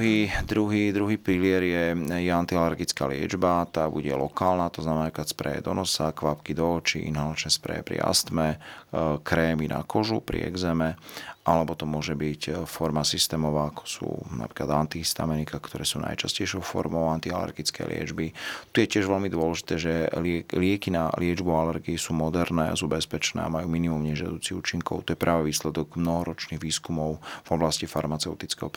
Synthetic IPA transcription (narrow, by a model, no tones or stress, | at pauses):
ɦiːd̪ɾuɦiːd̪ɾuɦiːpɾilɪɛɾjɛjɛant̪ialɛɾɡit͡ska̰lɪɛ̰d͡ʒbat̪aːbuɟɛlɔkaːlnat̪ɔznamɛnaːkaspɾɛ̰jɛ̰d̪ɔnɔsakʋapkid̪ɔːt͡ʃḭʔḭnɦalat͡ʃnɛspɾɛ̰jɛ̰pɾḭa̰st̪mɛ | kɾɛːminʔa̰kɔʒupɾḭɛ̰ɡzɛmɛʔalɛbɔt̪ɔmʊɔʒɛbicfɔɾmasist̪ɛːmɔʋaːakʰɔ̥sṵːna̰pɾiːkla̰d̪ant̪ist̪a̰mɛnikakt̪ɔɾɛːsuna̰jt͡ʃascɛjʃɔʊfɔ̰ɾmɔʊant̪ia̰lɛ̰ɾɡit͡skɛ̰jlɪɛ̰d͡ʒbit̪ujɛcɪɛʒʋɛlmid̪ʊɔlɛʒit̪ɛːʒɛlɪɛkina̰lɪɛd͡ʒbualɛɾɡiisuːmɔd̪ɛɾnɛ̰ːa̰suːbɛspɛt͡ʃnɛ̰ːa̰majuːminimumɲɛʒɪa̰d̪uːt͡siṵːt͡ʃiŋkɔ̰ʊt̪ɔjɛpɾʔaːʋɛʋiːslɛd̪ɔɡmnɔɦɔɾɔt͡ʃniɣʋiːskumɔʊvɔblascifaɾmat͡sɛʊt̪it͡skɛ̰ɦɔp